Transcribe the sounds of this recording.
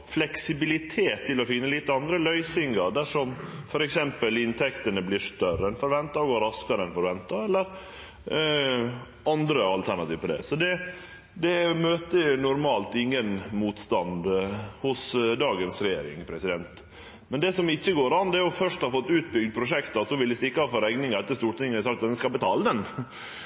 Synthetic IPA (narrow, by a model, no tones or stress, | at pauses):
flɛksɪbɪlɪt̪ʰeːt̪ʰːɪlɔfɪnːəliːt̪əɑnd̪ɾəlœʏsɪŋɑɾd̪æʂɔmfɔɾɛksɛmpəlɪnt̪ʰɛkt̪ənəbliːɾʂt̪œrəɛnfɔɾʋɛnt̪ɑɔɡɑɾɑskɑɾəɛnfɔɾʋɛnt̪ɑɛlːəɾ | ɑnd̪ɾəɑlt̪ʰæɾɳɑt̪iːʋpɔd̪ɛ̰sɔd̪ɛ | d̪ɛmøːt̪ənʊɾmɑːlt̪ɪŋːənmuːt̪st̪ɑnd̪hʊsd̪ɑːɡənsɾɛjeːɾɪ̰ŋpʰɾɛsɪd̪ɛnt̪ | mɛnd̪ɛsɔmɪçːəɡoːɾɑnd̪ɛæɾjʊfœʂʈhɑɾfɔt̪ːʉːt̪̚bʏɡd̪̚pʰɾʊʂɛkt̪ɑsɔʋɪld̪ɪst̪ɪkːɑhɑfɔɾɛɡnɪŋɑɾɛt̪ːəst̪uːʈ̪ɪŋːəæɾsɑkt̪d̪ɛnskɑbɛt̪ʰɑːləd̪ɛn